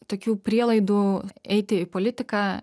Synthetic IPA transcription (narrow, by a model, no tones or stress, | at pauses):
t̪oːkʲuːpʲɾʲiɛlˠɐɪd̪uːɛɪt̪ʲɪɪpoːlʲɪt̪ʲɪkaː